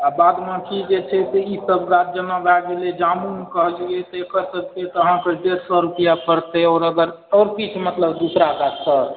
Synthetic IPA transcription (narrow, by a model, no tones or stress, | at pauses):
abad̪mãkʰid͡ʒet͡ʃʰɛst̪eisəbɡat̪̚d͡ʒənabaɡeled͡ʒamuɦkəɦlɡet̪ekəsək̚t̪et̪ɔəɦãkeɖeɾsɔɾupijapəɾt̪eɔːɾəɡəɾ | ɔːɾpit͡ʃʰmət̪ləbd̪usɾakat̪səɾ